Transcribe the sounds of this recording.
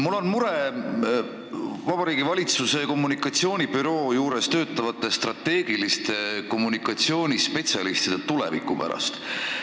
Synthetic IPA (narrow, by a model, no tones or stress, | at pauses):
mulːo̞nmuɾe | vɑb̥ɑɾiːɡivɑlʲit̪suse̞ko̞mːunikːˑɑt̪sio̞ːnʲib̥yɾo̞ːjuːɾe̞st̪ø̞ːt̪ːˑɑvɑt̪ːˑe̞st̪rɑt̪ːe̞ːɡ̥ilist̪e̞ko̞mːunikːˑɑt̪sio̞ːnʲispe̞t̪ʲsʲɑlist̪id̪̥et̪ulḛvḭkːˑupæ̰ɾɑ̰st̪